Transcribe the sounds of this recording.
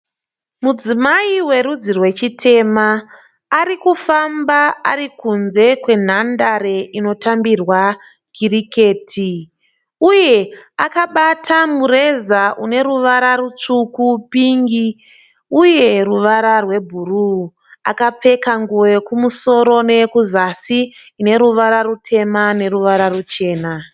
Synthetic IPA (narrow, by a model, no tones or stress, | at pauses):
mud͡zimaiwe̞ɾud͡zirwe̞t͡ʃitʰe̞maː | ɾikufambaaɾikunze̞kwe̞n̤andaɾe̞ino̞tambirwa | ɡ̥irike̞ːtʰi | uje̞akaɓatʰamure̞zaʔune̞ɾuʋaɾarut͡ʂukupiŋɡi | uje̞ruʋaɾarwe̞bʱuru | akap͡fe̞kaŋɡuwe̞kumuso̞ɾo̞ne̞kuzasiː | ne̞ɾuʋaɾarutʰe̞mane̞ruʋaɾarut͡ʃe̞ːna